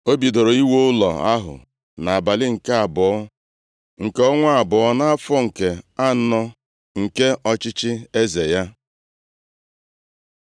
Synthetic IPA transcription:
o˦bi˨do˨ɾo˨i˦wo˦ʊ˦lɔ̰˨a̰˦ɦʊ̰˨ | na˨a˨ba˨lɪ˦ŋ̩˨ke˦a˨bʊ˨ɔ˦ | ŋ̩˨ke˦ɔ˦ŋʷa˦a˨bʊ˨ɔ˦na˦a˦fɔ˦ŋ̩˨ke˨a˦nɔ˦ | ŋ̩˨ke˦ʔɔ˦t͡ʃɪ˦t͡ʃɪ˦e˦ze˨ja˦

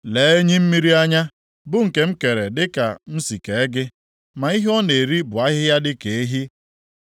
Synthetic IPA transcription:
le˨˦e˦ɲi˦m̩˦mi˦ɾi˦a˦ɲa˦ | bʊ˦ŋ̩˨ke˨m̩˦ke˨ɾe˨dɪ˦ka̰˨m̩˦si˨ke˨e˦ɡɪ˦ | ma˨i˦ɦɔ˦ne˨ɾi˦bʊ˨a˦ɦɪ˦ja˦dɪ˦ke˨e˦ɦi˦

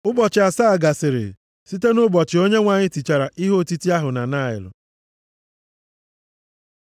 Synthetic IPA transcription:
ʊ˦bɔ˨t͡ʃɪ˨a˨sa˦a˨ɡa˨sɪ˨ɾɪ̰˨ | si˦te˦nʊ˦bɔ˨t͡ʃɪ˨o˦ɲe˦ŋʷa˨ɲɪ˦ti˨t͡ʃa˨ɾa˨ʔi˦ɦo˦˨ti˦ti˦a˦ɦʊ˨na˨na˦ɪ̰˨lʊ̰˨

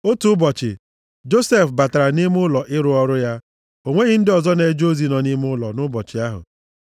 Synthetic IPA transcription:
o˦tu˦ʊ˦bɔ˨t͡ʃɪ̰˨ | d͡ʒo˦se˦˨fba˨ta˨ɾa˨ni˦mʊ˦lɔ˨ʔɪ˦ɾʊ˦ɔ˦ɾʊ˦ja˦ | o˨ŋʷe˦ɣɪ˦n̩˦dɪ˦ɔ˨zɔ˦ne˨d͡ʒo˦zi˨nɔ˨ni˦m˦ʊ˦lɔ̰˨nʊ˦bɔ˨t͡ʃɪ˨a˦ɦʊ̰˨

